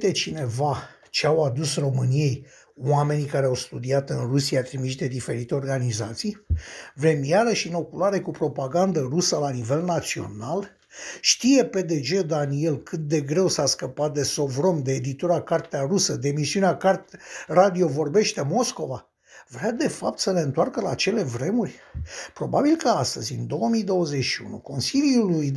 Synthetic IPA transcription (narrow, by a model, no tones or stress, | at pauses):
t̪e̞t͡ʃine̞va | t͡ʃeawad̪usro̞mɨnije̞j | wame̞nikaɾeawst̪ud̪iat̪ɨnrusijat̪ɾimiʃd̪e̞d̪ife̞ɾit̪e̞o̞rɡanizat̪sijvɾe̞mijaɾəʃino̞kulaɾe̞kupɾo̞paɡand̪ərusəlanive̞lnat̪sio̞̰nal | ʃt̪ije̞pe̞d̪e̞d͡ʒe̞d̪anie̞lkʰɨt̪̚d̪e̞ɡɾe̞wsaskəpat̪̚d̪e̞so̞vɾo̞md̪eːd̪it̪uɾakart̪earusəd̪emisiuneakart̪rad̪io̞vo̞rbe̞ʃt̪e̞mo̞sko̞va | vɾead̪e̞fap̚t̪səle̞ɨnt̪oarkəlaːt͡ʃe̞le̞vɾe̞murʲpɾo̞babilkəast̪əzʲɨnd̪o̞wəmijd̪o̞wəze̞ʃiṵnṵko̞nsiljuluj